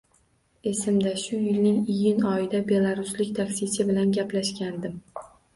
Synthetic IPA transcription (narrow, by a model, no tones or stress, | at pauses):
e̞sɪmd̪aʃʊjɪlnɪŋɪjɪnɒjɪd̪abe̞lˠaɾʊslɪkʲt̪ʰakʲsɪsɪbɪlanɡʲaplaʃkʲand̪ɪm